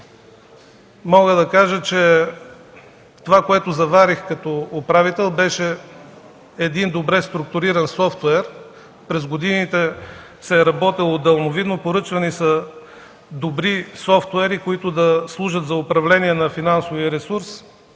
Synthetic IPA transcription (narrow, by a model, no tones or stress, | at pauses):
mɔɡəd̪ɐkaʒət͡ʃɛ | t̪ovakoɛt̪ʊzɐvaɾixkɐt̪ɔːpɾavit̪ɛlˠbɛʃɛ | ɛd̪ind̪obɾɛst̪ɾuk̚t̪ʊɾiɾɐnsɔft̪ɛɾ | pɾɛzɡod̪init̪ɛ | sɛːɾɐbɔt̪ilˠod̪ɐlˠnovid̪nopoɾɤt͡ʃvɐnisɐ | d̪obɾisɔft̪wɛɾikoit̪ʊd̪ɐslˠuʒət̪zɐʊpɾɐvlɛniɛnɐfinansoviəɾɛsuɾs